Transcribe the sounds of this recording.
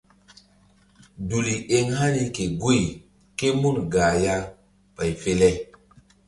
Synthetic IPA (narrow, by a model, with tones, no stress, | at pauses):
du˨li˨ʔe˦ŋha˦ni˦ke˨ɡu˦j | ke˦mu˦˨nɡaː˨ja˦ | pa˨jfe˦lɛ˦